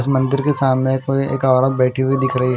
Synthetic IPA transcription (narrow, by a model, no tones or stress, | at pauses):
smɐ̃nd̪ɪɾkesaːmnẽkoieːkɔːɾət̪̚bɛːʈʰiuid̪ɪkʰɾɐɦiɦ